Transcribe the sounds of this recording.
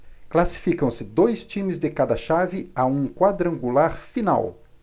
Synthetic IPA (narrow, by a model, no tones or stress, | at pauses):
klasi̥fikɐ̃w̃sɪd̪ojst͡ʃĩmɪzd̪ɪkad̪ɐʃavɪaũkwad̪ɾɐ̃ŋɡulaɾfina̰w